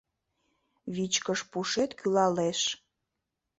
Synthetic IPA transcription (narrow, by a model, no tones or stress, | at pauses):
βit͡ɕkəʃpuʃet̪kʰylɑleʃ